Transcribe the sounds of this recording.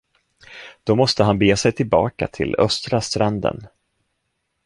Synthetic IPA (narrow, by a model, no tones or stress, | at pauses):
d̪̥ɔmɔst̪əɦanbeːsɛjt̪ʰɪlbɑ̰ːka̰t̪ʰɪlœ̰st̪ɾast̪ɾand̪ə̰n